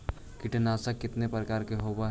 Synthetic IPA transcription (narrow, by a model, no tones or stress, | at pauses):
kɪʈənaːsakɪt̪nepɾəkaːɾkeɦoːbaɦ